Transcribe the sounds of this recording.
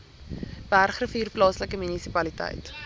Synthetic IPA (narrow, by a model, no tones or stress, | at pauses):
b̥ærχrəfyːrplɑːsləkəmynisipɐlitɛ̰jt